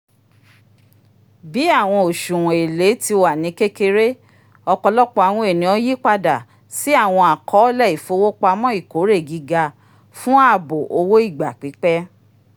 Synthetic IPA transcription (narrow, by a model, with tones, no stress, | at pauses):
bi˨˦a˦˨w̃ɔ̃˧o˨ʃu˨w̃ɔ̃˨e˨le˨˦ti˧wa˨nĩ˨˦ke˦ke˧ɾe˦ | ɔ˧kɔ˧lɔ˦k͡pɔ˧˦a˧˨w̃ũ˧e˨nĩ˨˦ɔ˧ji˦k͡pa˧da˨ | si˦a˦˨w̃ɔ̃˧a˨kʰɔ˨˦lɛ˦˨i˨fo˧˦wo˦k͡pa˧mɔ̃˦i˦˨ko˨˦ɾe˦˨ɡi˧ɡa˧ | fũ˦a˦˨bo˨ʔo˧wo˦i˦˨ɡ͡ba˨k͡pi˨˦k͡pɛ˦